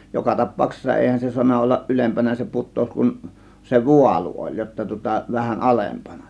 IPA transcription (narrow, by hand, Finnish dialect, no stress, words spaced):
jokɑ tɑpˑɑuksesːɑ eˑihæn se suɑnːɑ olːɑʔ ʔylempænæ se putˑoˑus kun se ʋuɑlu olʲ jotːɑ tŭŏtɑ ʋæhæn ɑlempɑnɑ